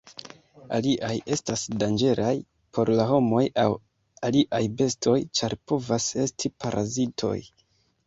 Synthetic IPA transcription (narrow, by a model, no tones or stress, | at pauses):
a̰liʔaje̞stasdand͡ʒe̞ɾʔaj | pʰo̞ɾlaɦo̞mo̞jaw | aliʔajbe̞stʰo̞jt͡ʃaɾpo̞vase̞stʰipʰaɾʔazitʰo̞̰j